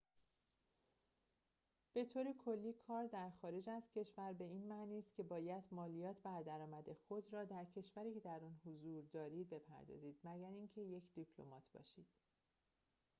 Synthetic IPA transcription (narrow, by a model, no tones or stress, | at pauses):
b̥e̞t̪ʰoːɾekʰo̞lːiːkʰɒːɾd̪æɾxɒːɾe̞d͡ʒæzcʲʰe̞ʃvæɾbe̞iːnmæːniːst̪cʰe̞bɒːjæd̪mɒːlijɒːt̪ʰbæɾd̪æɾɒːmæd̪exo̞d̪ɾɒːd̪æɾcʰe̞ʃvæɾiːcʰe̞d̪æɾɒːnhozuːɾd̪ɒːɾiːd̪̚be̞pʰæ̰ɾd̪ɒ̰ːziːd̪mæɟæɾiŋcʰe̞je̞cʰd̪̥ipʰlo̰mɒːt̪ʰb̥ɒ̰ːʃiːd̪̥